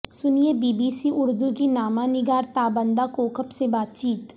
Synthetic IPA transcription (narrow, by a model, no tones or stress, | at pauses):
sʊnijebiːbiːsiʔʊɾd̪ukinaːmãnɪɡaːɾt̪aːbə̃nd̪akoːkʰəpsebaːt̪̚t͡ʃiːt̪